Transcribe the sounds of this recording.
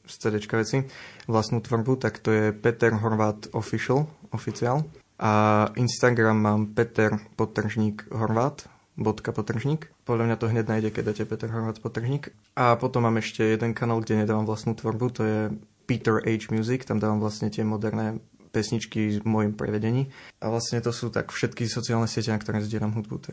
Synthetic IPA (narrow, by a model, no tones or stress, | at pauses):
st͡sɛd̪ɛt͡ʃkaʋɛt͡siʋlast̪nuːt̪ʋɔr̩but̪akt̪ɔjɛpɛt̪ɛɾɦɔɾʋaːt̪ɔfiʃlɔfit͡siaːl | ʔaʔinst̪aɡɾamːaːmpɛt̪ɛɾpɔt̪r̩ʒɲiːkɦɔɾʋaːt̪ | bɔt̪kapɔt̪r̩ʒɲiːkpɔd̪lʎamɲat̪ɔɦɲɛɟ̪dnaːjɟɛkɛd̪acɛpɛt̪ɛɾɦɔɾʋaːt̪pɔt̪r̩ʒɲiːk | ʔapɔt̪ɔmːaːmɛʃcɛjɛd̪ɛnkanaːlˠɡɟɛɲɛd̪aːʋamʋlast̪nuːt̪ʋɔɾbut̪ɔjɛpiːt̪ɛɾɛjd͡ʒmɪjuːzikt̪amd̪aːʋamʋlast̪ɲɛt̪ɪɛmɔd̪ɛɾnɛː | pɛsɲit͡ʃkimɔjimpɾɛ̰ʋɛɟɛɲiːʔa̰ʋlasɲɛt̪ɔsuːt̪a̰kfʃɛt̪kisɔt͡siaːlnɛsɪɛcɛnakt̪ɔɾɛːzɟɪɛlamɦud̪̚bṵt̪